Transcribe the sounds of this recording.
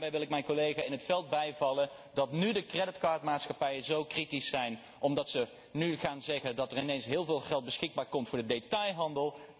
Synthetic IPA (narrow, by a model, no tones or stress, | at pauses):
bɛjʋɪlˠɪkmɛjnkolejχaːɪnɦətfɛlˠd̚bɛjvɑlən | dɑtnydəkrɛdɪtkaːɹtmaːtsχɑpɛjəzowkritisɛjn | ʔɔmdɑtsə | nyχaːnzɛχəndɑtərɪnejnsɦɪːlˠvɪːlˠɣɛlˠt̚bəsxɪɡ̚baːɹkɔmtfʊːɹdədetɑjɦɑndəlˠ